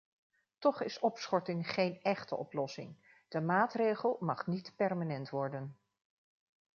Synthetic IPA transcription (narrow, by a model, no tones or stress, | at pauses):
tɔχɪsɔpsχɔɹtɪŋχejnɛχtə̰ʔɔ̰plɔsɪ̰ŋ | d̥əmaːtrejχəlˠmɑχnitpɛrmanɛntʋɔɹdən